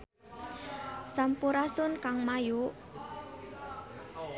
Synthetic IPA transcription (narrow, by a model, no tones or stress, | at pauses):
sampuɾasʊnkaŋmajuʔ